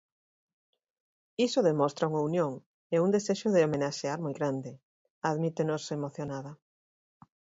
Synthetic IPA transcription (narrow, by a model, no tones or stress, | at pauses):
isoðemɔst̪ɾauŋaunjõŋ | eund̪eseʃʊðeomenaʃeaɾmojɣɾand̪ɪ | aðmit̪enosemoθjonaðɐ